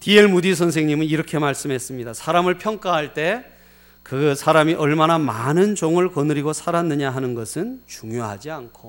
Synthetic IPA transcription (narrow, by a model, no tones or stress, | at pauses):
tie̞ɭmudisʰʌns̬ʰe̞ŋɲimɯniɾʌkʰe̞maɭs͈ɯmɦes͈ɯmɲidasʰaɾamɯɭpʰjʌŋk͈aɦaɭt͈e̞ | kɯsʰaɾamiʔʌɭmanamanɯnd͡ʑoŋɯɭkʌnɯɾiɡosʰaɾanːɯɲaɦanɯnɡʌsʰɯnt͡ɕuŋjoɦad͡ʑiankʰo